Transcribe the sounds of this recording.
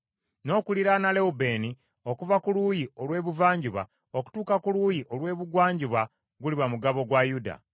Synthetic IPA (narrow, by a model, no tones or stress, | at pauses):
no̞ːkuliɾanale̞ube̞ːni | o̞kuvakulujio̞lwe̞ːβuvaːɲɟiβa̰ | o̞ku̥tuːkakulujiʔo̞lwe̞ːβuɡwaːɲɟiβa | ɡuliβamuɡaβo̞ɡwajuda̰